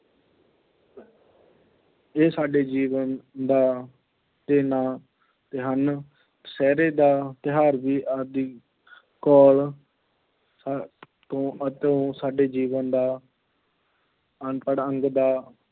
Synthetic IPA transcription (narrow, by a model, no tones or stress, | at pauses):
eːsaːɖeːd͡ʒiːʋənd̪aː | t̪eːnãː | t̪eːɦən | sɛːɾeːd̪aːt̪ɪɦaːɾʋiːʔad̪iː | kɔːl | t̪õːət̪eõːsaːɖeːd͡ʒiːʋənd̪aː | ənəɽəŋɡd̪aː